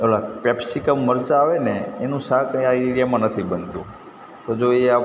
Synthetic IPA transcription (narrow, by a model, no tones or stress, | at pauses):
elapɛpsikəmːəɾt͡ʃaaʋeneːnũsakaiɾjamãnət̪ʰibənd̪ṵ̃ | t̪od͡ʒoea